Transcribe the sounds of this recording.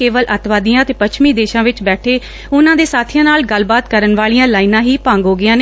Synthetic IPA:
eːʋəlʔət̪ʋaːd̪ijãːt̪eːpət͡ʃʃʰmiːd̪eːʃãːʋɪt͡ʃbɛːʈʰeː | ʊnãːd̪eːsaːt̪ʰɪjãːnaːlɡəlbaːt̪kəɾənʋaːɭijãːlaːinãːɦiːpãːŋɡɦoːɡɪjãːne

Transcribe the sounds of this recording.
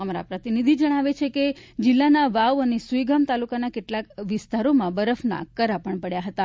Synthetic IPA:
əmaɾa̰pɾət̪inid̪ʱid͡ʒəɽ̃aʋet͡ʃʰeked͡ʒɪlːanaʋawənesujɡʱamt̪alukanakeʈlakʋɪst̪aɾomãbəɾəfna̰kəɾapəɳpəɽjaɦət̪a

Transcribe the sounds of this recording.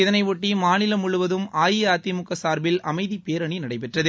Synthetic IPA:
ɪðɐnɐɪʋɔʈːimaːnɪlɐmʊɭʊʋɐðɯmaːjɪjaːt̪ːimʊkːɐsaːɾbɪlɐmɐɪðipeːɾɐɳinɐɽɐɪp̬ɛʈrɐðɯ

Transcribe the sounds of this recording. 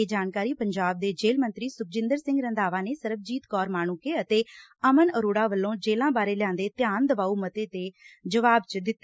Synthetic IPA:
ed͡ʒaːnkaːɾiːpəɲd͡ʒaːb̚d̪eːd͡ʒeːlmə̃nt̪ɾiːsʊk̚d͡ʒɪ̃nd̪əɾsɪ̃ŋɡɾə̃nd̪aːʋaːneːsəɾəb̚d͡ʒiːt̪kɔːɾmaːɳ̃ũːkeːət̪eːəmənəɾoːɽaːʋəlːõːd͡ʒeːlãːbaːɾeːlɪjãːnd̪eːt̪jaːnd̪əʋaːuːmət̪eːt̪eːd͡ʒəʋaːbt͡ʃd̪ɪt̪ːe

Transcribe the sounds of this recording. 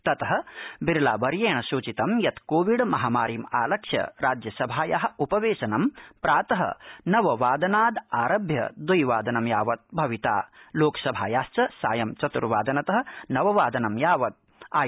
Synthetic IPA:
t̪ɐt̪ɐɦɐ̆biɾlaːbɐɾjeːɳɐsuːt͡ʃit̪ɐmjɐt̪koːʋiɖmɐɦaːmaːɾiːmaːlɐkʃjɐ̰ɾaːd͡ʒjɐsɐbʱaːjaɦɐ̆upɐʋeːʃɐnɐmpɾaːt̪ɐɦɐ̰nɐʋɐʋaːd̪ɐnaːd̪aːɾɐbʱjɐ̰d̪ujʋaːd̪ɐnɐmjaːʋɐt̪̚bʱɐʋit̪a̰ːloːkɐ̥sɐbʱaːjaːst͡ʃɐsaːjɐmt͡ʃɐt̪uɾʋaːd̪ɐnɐt̪ɐɦɐ̆nɐʋɐʋaːd̪ɐnɐmjaːʋɐt̪̚ | aː

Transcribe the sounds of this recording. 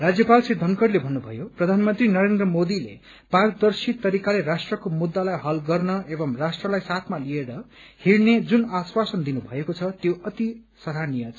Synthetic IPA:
rad͡zjʌpalsid̪ʱʌnkʌɾlebʱʌnːubʱʌ̰joprʌd̪ʱanmʌnt̪rinʌɾend̪rʌmod̪ilḛ | pard̪ʌrsit̪ʌɾikalerasʈrʌkomud̪ːalajɦʌlɡʌrnʌebʌmrasʈrʌlajsat̪ʰmalieɾʌhiɾned͡zunaswasʌnd̪inubʱʌ̰ekot͡sʰʌt̪joʌt̪i | sʌɾanijʌt͡sʰ

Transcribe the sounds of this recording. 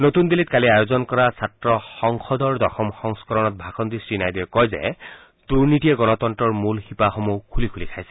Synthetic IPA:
not̪und̪ilit̪kaliajozɔnkɔɹasatɹɔxɔŋxɔd̪ɔɹd̪ɔxɔmxɔŋskɔɹɔnɔt̪̚bʱaxɔnd̪isɹinajd̪iɛkɔjzɛ̰ | d̪̥uɹnitijɛɡɔnɔt̪ɔntɔɹmulxipaxomukʰulikʰulikʰajsɛ̥

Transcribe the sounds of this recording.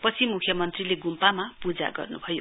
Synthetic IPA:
pʌt͡sʰimukʰjʌmʌnt̪rileɡumpamapud͡za̰ɡʌ̰rnṵbʱʌjo

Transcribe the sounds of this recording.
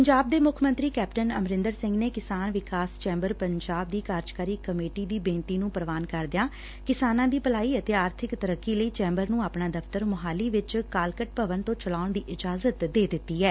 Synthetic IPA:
pəɲd͡ʒaːb̚d̪eːmʊkʰmə̃nt̪ɾiːkɛːpʈənə̰mɾɪnd̪əɾsɪ̃ŋɡneːkɪsaːnʋɪkaːst͡ʃɛ̃ːmbəɾpəɲd͡ʒaːb̚d̪iːkaːɾd͡ʒkaːɾiːkəmeːʈiːd̪iːbẽːnt̪iːnũːpəɾəʋaːnkəɾd̪ɪjaː | kɪsaːnãːd̪iːpəlaːiːət̪eːaːɾt̪ʰɪkt̪əɾəkːiːləiːt͡ʃɛ̃ːmbəɾnũːaːpnãːd̪əfʰt̪əɾmʊɦaːliːʋɪt͡ʃkaːlkəʈ̚pəʋənt̪õːt͡ʃəlaːʊɳd̪iːʔɪd͡ʒaːzət̪d̪eːd̪ɪt̪ːiːɛː

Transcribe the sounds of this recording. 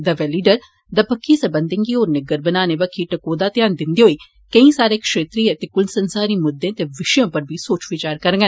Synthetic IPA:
d̪aːʋɛːliːɖəɾ | d̪aːpəkʰːiːsəbənd̪ɪ̃ŋɡiːoːɾnɪɡəɾbənaːneːbəkʰːiːʈəkoːd̪aːt̪ɪjaːnd̪ɪnd̪iːɦoːiː | kəĩːsaːɾeːkʃeːt̪ɾiːət̪eːkʊlsənsaːɾiːmʊd̪ẽːt̪eːʋɪʃjõːpəɾbʱiːsoːt͡ʃʋɪt͡ʃaːɾkəɾɡə

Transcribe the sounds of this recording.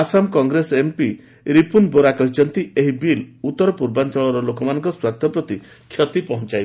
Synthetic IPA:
asamkɔŋɡɾesempi | ɾipunboɾakɔɦit͡ʃʰɔnt̪ieɦibilut̪ːɔɾɔpuɾbant͡ʃɔɭɔɾɔlokɔmanɔ̃ŋkɔswaɾt̪ʰjɔpɾɔt̪i | kʰjɔt̪ipɔɦɔ̃t͡ʃajb

